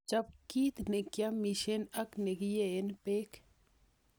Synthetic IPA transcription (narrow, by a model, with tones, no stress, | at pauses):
t͡ʃa˦p̚ki˦t̪ne˨kjamiʃe˦na˦kne˨ɡijee˦npe˦k